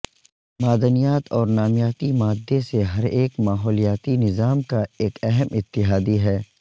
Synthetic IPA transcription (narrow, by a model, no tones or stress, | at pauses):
maːd̪ənijaːt̪ɔːɾnaːmjaːt̪imaːd̪ʱːeseɦɐɾeːkmaːɦɔːlijaːt̪inɪzaːmkaeːkɛɦɛmɪt̪ːɪɦaːd̪iɦɛː